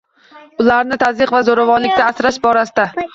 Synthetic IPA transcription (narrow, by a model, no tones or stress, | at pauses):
ʊlaɾnɪt̪ʰazɨqvazoɾavɒnlɪk̚ʲt̪aːsɾaʃbɒɾasɪd̪a